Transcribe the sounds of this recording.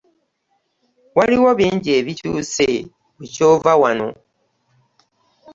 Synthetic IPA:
waliwoβiːɲɟeːβicṵse | βucoːvawano̞̰

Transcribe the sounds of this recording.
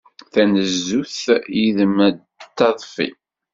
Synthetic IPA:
θænəzːuθjiðmæd̪ | t̪ːɑðˤfḭ

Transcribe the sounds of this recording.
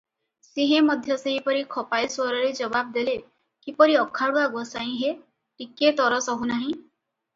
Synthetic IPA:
seɦẽmɔd̪ʱjɔseɦipɔɾikʰɔpajswɔɾɔɾed͡ʒɔbab̚d̪ele | kipɔɾiɔkʰːaɽuaɡɔsaĩɦe | ʈiket̪ɔɾɔsɔɦunaɦĩ

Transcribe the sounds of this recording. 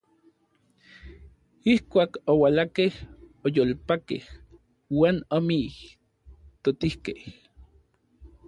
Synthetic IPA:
ihkʷaːkowalakehojolpakḛh | waːnomi | t̪ot̪ihkeh

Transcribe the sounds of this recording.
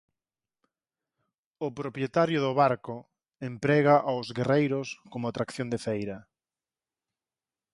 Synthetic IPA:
ʊpɾopjet̪aɾjʊðʊβaɾkʊ | empɾɛɣaʔawzɣerejɾʊskomʊat̪ɾakθjond̪efejɾɐ

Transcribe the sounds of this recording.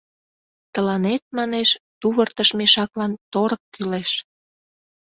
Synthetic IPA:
t̪əlɑnet̪̚mɑneʃt̪uβərt̪əʃmeʃɑklɑnt̪oɾəkːyleʃ

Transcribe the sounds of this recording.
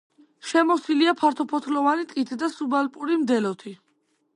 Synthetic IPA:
ʃɛmɔsiliapʰaɾt̪ʰɔpʰɔt̪ʰlɔvanit̪ʼkʼit̪ʰd̪asubalpʼuɾimd̪ɛlɔt̪ʰi

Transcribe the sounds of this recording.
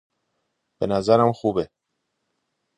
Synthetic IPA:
b̥enæzæɾæmxuːbe

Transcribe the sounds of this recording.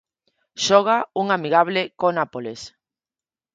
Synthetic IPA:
ʃɔɣ̞auŋamiɣaβ̞lɪkonapoles

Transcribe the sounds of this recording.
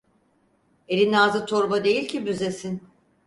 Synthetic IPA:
e̞ɾʲinaːzɯt̪ʰoɾbad̪e̞jilʲcʰibyze̞sin

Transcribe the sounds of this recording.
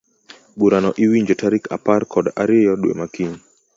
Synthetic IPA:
buɾanɔʔiwiɲd͡ʒɔtaɾika̰parkʰɔdaɾɪjɔɗwḛmakiɲ

